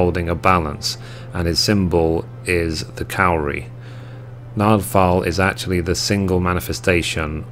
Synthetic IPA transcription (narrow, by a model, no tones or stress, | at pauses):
ʊlˠdɪ̃ŋəbalə̰̃ns | ə̃nɪz̥sɪ̃mbəlˠ | ɪzðəkʰaʊɹḭ | nɑːd̥fɑlɪ̰zak̚t͡ʃul̩ˠiðəsɪ̃ŋɡəlˠmãñɪfɛstʰeɪʃə̃n